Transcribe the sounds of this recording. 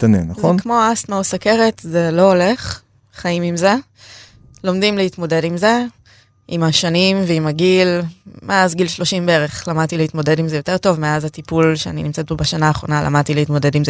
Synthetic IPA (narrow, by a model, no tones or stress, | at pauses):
tanenaχonkmo̞astmausake̞ʁetze̞lo̞ole̞χ | χaimimze̞ | lo̞mdimlehitmo̞de̞dimze̞ | imaʃanimveimaɡilmeazɡilʃlo̞ʃimbeeʁeχlamadt̪ileit̪mo̞de̞dimzejo̞te̞ʁto̞vme̞azatipulʃeaninimt͡set̚bobaʃanaːχʁo̞nala̰mad̚t̪ileitmo̞de̞dimze